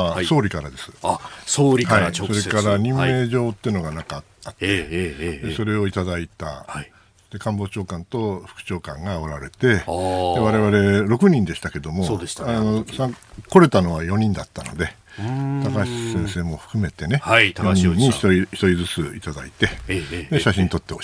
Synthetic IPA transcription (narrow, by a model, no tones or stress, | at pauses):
so̞ːɾʲikaɾad̪e̞sɨ̥oɾhaiso̞ɾe̞kaɾaɲ̟ĩmːe̞ːʑo̞ːt̪ːeɯno̞ɡanakat̪ːḁt̪ːed̪eso̞ɾe̞o̞it̪ad̪ait̪a̰ | d̪t̪e̞kãmbo̞ːt͡ɕo̞ːkãnt̪o̞ɸɯ̥kɯ̟̥t͡ɕo̞ːkãŋɡaoɾaɾe̞t̪e̞d̪eβaɾe̞βaɾe̞ɾo̞kɯ̟ɲ̟ĩnd̪e̞ɕi̥t̪ake̞d̪o̞mosano̞sako̞ɾe̞t̪ano̞βajo̞ɲ̟ĩnd̪at̪ːano̞̰d̪e̞ | t̪akaɕi̥sẽ̞ɰ̃se̞ːmo̞ɸɯ̥kɯ̟me̞t̪e̞ne̞joɲĩɲːiçi̥çi̥t̪o̞ɾʲid͡zɨt͡sɨit̪ad̪a̰it̪e̞d̪e̞ɕaɕĩnt̪o̞t̪ːe̞o